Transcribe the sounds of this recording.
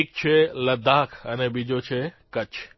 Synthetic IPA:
k̚t͡ɕʰelɐd̪aːkʰɐnɛbid͡ʑot͡ɕʰekɐt͡ɕʰ

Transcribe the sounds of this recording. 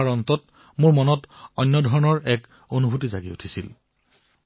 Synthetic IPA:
aɹɔntɔt | mʊɹmɔnɔtɔjnːɔdʱɔɹɔnɔɹɛk | onubʱutizaɡiṵtʰisḭl

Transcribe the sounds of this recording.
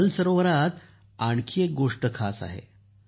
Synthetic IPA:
lsəɾoʋəɾat̪ | aɳkʰiek̚ɡoʂʈəkʰa̰sa̰ɦḛ

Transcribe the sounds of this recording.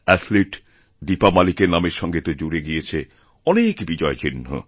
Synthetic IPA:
ɛsliʈ | d̪ipamalikeɾnameɾʃɔŋɡet̪od͡ʑuɾeɡiet͡ɕʰe | ɔnekbid͡ʑɔet͡ɕinːo̰

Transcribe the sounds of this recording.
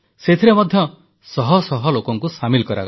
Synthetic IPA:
set̪ʰiɾemɔd̪ʱjɔ | sɔɦɔsɔɦɔlokɔŋkusamilkɔɾa̰ɡ

